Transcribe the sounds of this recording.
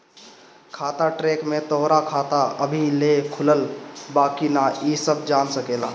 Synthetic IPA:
kʰat̪aʈɾekmet̪oɦɾakʰat̪aəbʱilekʰuləlbaːkinaisəb̚d͡ʒansəkela

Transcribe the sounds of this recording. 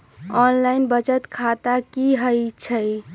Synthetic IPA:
ɔnlaɪnbət͡ʃət̪kʰat̪akiɦəjt͡ʃʰəj

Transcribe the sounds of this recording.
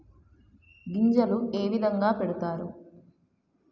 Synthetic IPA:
ɡiɲd͡ʒɐlueːʋid̪ʱɐŋɡaːpeɽut̪aːɾṵ

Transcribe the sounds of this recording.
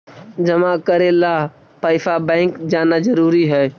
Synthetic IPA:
d͡ʒəmãkəɾela | paːɪsʰabɛ̃ːŋkd͡ʒaːnad͡ʒəɾuːɾiɦɛː

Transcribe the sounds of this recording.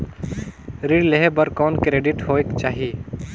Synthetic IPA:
ɾiɽleɦebəɾkɔnkɾeːɖiʈɦoekt͡ʃaɦi

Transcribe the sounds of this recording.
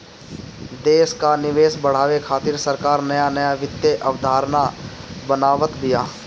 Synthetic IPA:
d̪eːʃkanɪʋeːsbəɽ̤aːʋekʰaːt̪ɪɾsəɾkaːɾnɐjanəjaʋɪt̪ːjeʔɐʋd̪ʱaːɾnabənaːʋət̪bɪjaː

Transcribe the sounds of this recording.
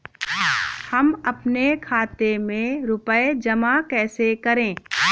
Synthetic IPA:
hɐmɐpnekʰaːt̪emẽɾʊpəed͡ʒɐmakɛːsekɐɾẽː

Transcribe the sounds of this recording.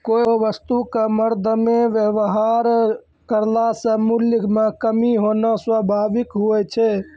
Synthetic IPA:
kooʋəst̪ukeməɾd̪ʱəmeʋjəʋɦaɾ | kəɾlasə̃muljəmekəmiɦonəswəbʱaʋikɦuɛt͡ʃʰe

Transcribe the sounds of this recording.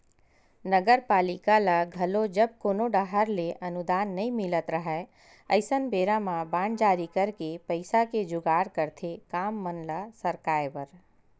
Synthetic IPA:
nəɡəɾpaːlɪkalaɡʱɐlod͡ʒəb̚koːnoɖaɦəɾleʔɐnʊd̪aːnːɐĩmɪlət̪ɾəɦɛ | ə̰ɪsənbeːɾamãbãːɳd͡ʒaːɾikəɾkepəɪsaked͡ʒʊɡaːɾkəɾt̪ʰekaːmːənlasəɾkaːjʋəɾ

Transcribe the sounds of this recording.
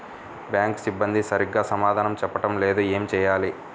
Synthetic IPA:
bjaːŋksibːɐnd̪isɐɾiɡːaːsɐmaːd̪ʱaːnɐmt͡ʃɛpːɐʈɐmleːd̪ueːmt͡ʃɛːjaːli

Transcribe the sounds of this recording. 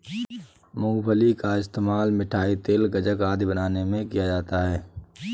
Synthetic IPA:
mʊ̃ŋɡpʰəlikaɪst̪eːmaːlmɪʈʰaːit̪eːlɡɐd͡ʒəkaːd̪ʱibənaːnemẽkijad͡ʒaːt̪aɦɛː

